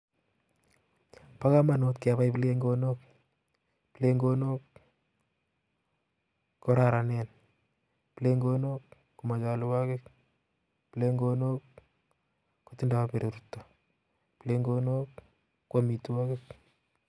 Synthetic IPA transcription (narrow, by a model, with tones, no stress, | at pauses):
pa˦ka˦manot̪ke˨βa˦jple˦ŋɡonok̚ | pile˦ŋɡono˦k | o˦ɾaɾa˨nɛ˦n | pile˦ŋɡo˦nok | kːu˨ma˨t͡ʃa˨lwa˦kɪk | pile˦ŋɡo˦nok | otɪ˦nda˨a˦pe˨ɾe˨ɾutːḁ | pile˦ŋɡono˦kː | wa˦mi˨tu˦wɔ˦kɪk̚